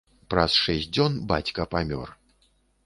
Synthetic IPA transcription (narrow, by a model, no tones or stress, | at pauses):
pɾɐsʂɛs̚ʲd͡zʲɔnbat͡sʲkɐpamʲɔ̰r